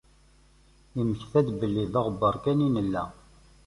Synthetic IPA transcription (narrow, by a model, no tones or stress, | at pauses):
iməçθæd̪bəlːiðɑʁəbːəɾˤkæninəlːæ